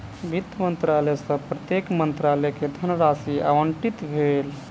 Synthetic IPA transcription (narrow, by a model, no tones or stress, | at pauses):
bʱit̪ːmənt̪ɾalɛsə̃pɾət̪jekmənt̪ɾalɛked̪ʱənɾasia̰ʋəɳʈit̪bʱel